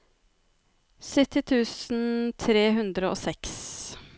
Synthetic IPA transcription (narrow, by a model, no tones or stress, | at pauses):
sʏt̪ɪt̪ʰʉːsn̩t̪ʰɾeːɦʉnd̪ɾəo̰ːsɛks